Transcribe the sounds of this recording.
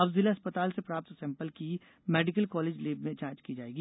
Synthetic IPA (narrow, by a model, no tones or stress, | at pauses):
ɐbzɪleɐspət̪aːlsepɾaːp̚t̪sɛ̃ːmpəlki | mɛːɖɪkəlkɔːleːd͡ʒleːbmẽt͡ʃãːt͡ʃkid͡ʒaːeːɡiː